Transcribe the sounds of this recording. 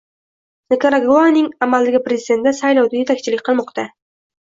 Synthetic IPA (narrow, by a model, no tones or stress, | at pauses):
nekaɾaɡoanɪŋamald̪ɪɡʲapɾezid̪e̞nd̪asajlawd̪aje̞t̪ʰakʲt͡ʃʰɪlɪkʲqʰɨlˠmɒqt̪a